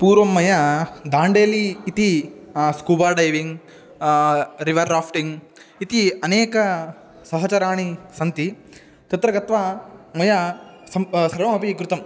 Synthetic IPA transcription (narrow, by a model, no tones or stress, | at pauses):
puːɾʋɐmːɐjɐd̪aːɳɖeːliːt̪iskuːbaːɖɐjʋiŋɡ | ɾiʋɐɾɾaːpʰʈiŋɡ | it̪iɐneːkɐ | sɐɦɐt͡ʃɐɾaːɳisɐnt̪i | t̪ɐt̪ɾɐɡɐt̪ʋamɐjɐɐsɾɐʋɐmɐpikɾut̪ɐm